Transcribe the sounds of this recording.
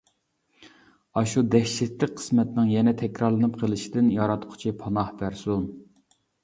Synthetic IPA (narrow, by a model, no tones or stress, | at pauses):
ɑʃud̪ɛkʲʃɛt̪lɪk̚ʲqʰə̥smɛt̪nɪŋjɛnɛt̪ʰɛkʲɾɑɾlˠɨnɨp̚qʰəlˠɪʃid̪ɪnjɑɾɑt̪qʰʊ̥t͡ʃʰipʰɑnɑhbæɾsum